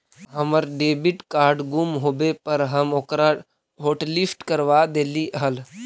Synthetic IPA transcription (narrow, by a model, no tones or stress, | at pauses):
ɦəməɾɖeːbɪʈkaːɾɖɡumɦoːbepəɾɦəmokɾa | ɦoːʈlisʈkəɾʋaːd̪eːliʔɦəl